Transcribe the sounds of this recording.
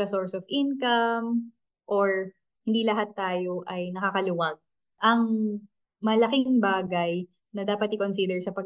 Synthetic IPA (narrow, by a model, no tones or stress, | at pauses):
ɐsoɹsɔvʔɪnkɐm | ʔoɹ | hɪnd̪iːlɐɦat̪ːaːjoʔɐjnɐkakɐlʊwɐɡ̚ | ʔɐŋ | mɐlɐkɪŋbaːɡɐj | nɐd̪aːpɐt̪̚ɪkonsid̪ɛɹsɐpɐɡ